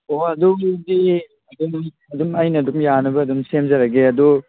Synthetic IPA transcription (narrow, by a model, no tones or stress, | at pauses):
oɐdudi | ɐdum | ɐdumajnɐdumjanɐbɐːdumsemzɐɾɐɡeɐdu